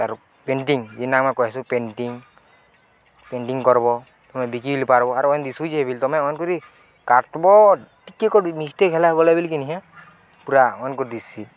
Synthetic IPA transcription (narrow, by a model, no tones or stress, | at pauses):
aɾ | peɳʈiŋd͡ʒinakmɔjkɔɦɛsupenʈiŋ | peɳʈiŋkɔɾbɔ | t̪ɔmɛbikibilipaɾbɔaɾɔɔnd̪isud͡ʒiɦebilt̪ɔmɛɔjnkuɾi | kaʈbɔʈikːekɔmist̪ekʰɛlaɦɛbɔlabilk̬iniɦa | puɾaɔnkɔɾd̪isi